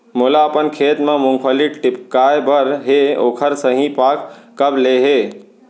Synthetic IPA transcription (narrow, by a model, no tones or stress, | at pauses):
molaəpənkʰeːt̪mãmʊŋɡʰəliʈɪpkajbəɾɦeoːkʰəɾsəɦĩpaːkː | əbleɦe